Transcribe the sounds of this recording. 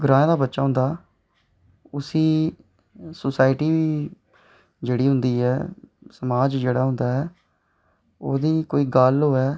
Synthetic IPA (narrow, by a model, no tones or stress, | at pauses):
ɡɾãːẽːd̪aːbətːʃaːɦʊ̃nd̪aː | ʊsiː | sʊsaːɪʈiːʋiː | d͡ʒeːɽiːɦʊ̃nd̪iːɦɛːsəmaːd͡ʒd͡ʒeːɽaːɦʊ̃nd̪aːɦɛː | oːd̪iːkoːiːɡalɦoːɛː